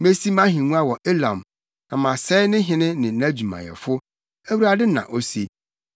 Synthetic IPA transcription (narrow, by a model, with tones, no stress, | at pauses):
me˦si˦mã˦ɦĩ˨nũ˦a˦wɔ˨ʔe˦lã̰˨m | nã˨mã˨sɛ˦nɪ̃˦ɦɪ̃˨nɪ̃˦nɪ̃˨˦næ̃˦d͡ʑu˨mã̰˨jɛ̰˨fʊ˦ | æ˦wu˦ɾa˦dɪ˦nã̰˨ʔo˦se˨